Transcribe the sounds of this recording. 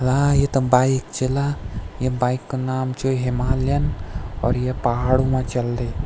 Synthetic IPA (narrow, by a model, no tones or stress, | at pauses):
lajet̪ɐbaikt͡ʃelajebajkːonaːmt͡ʃoɦimaːljɐnɔːɾjepɐɦaːɽumãt͡ʃɐld̪e